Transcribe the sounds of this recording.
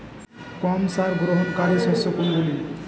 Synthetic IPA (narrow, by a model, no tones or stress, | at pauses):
kɔmsaɾɡɾoɦonkaɾesɔsokonɡuli